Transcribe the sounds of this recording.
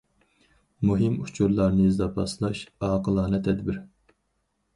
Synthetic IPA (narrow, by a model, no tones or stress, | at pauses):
muɦɪmut͡ʃʰuɾlˠɑɾnɨizd̪ɑpʰɑslˠɑʃɑːqəlˠɑːnɛt̪ʰɛd̪bɪɾ